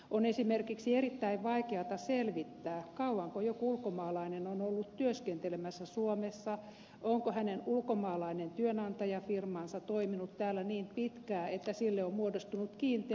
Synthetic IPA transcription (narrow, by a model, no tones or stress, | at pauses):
ʔonesimerkiksierit̪ːæiʋʋɑikeɑt̪ɑselʋit̪ːæːkɑuwɑŋkojokuulkomɑːlɑinenonolːut̪t̪yøskent̪elemæsːæsuomesːɑ | ʔoŋkohænenulkomɑːlɑinent̪yønɑnt̪ɑjɑfirmɑːnsɑt̪oiminut̪tæːlːæniːmpit̪kæːet̪ːæsilːeommuodost̪unut̪kiːnt̪e